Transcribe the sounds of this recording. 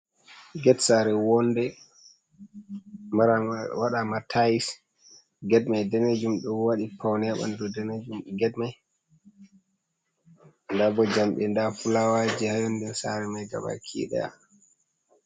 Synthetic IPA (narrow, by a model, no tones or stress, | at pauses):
ɡɛtsaɾɛwɔndɛ | maɾawaɗamatʰajis | ɡɛt̚majdɛned͡ʒumɗɔwaɗipʰawnɛaɓa̰ndɔdɛned͡ʒumɡɛtmaj | ndabɔd͡ʒamɓɛndafulawad͡ʒihajɔndɛsa̰ɾɛmajɡa̰ɓa̰kʰḭɗɛ̰a̰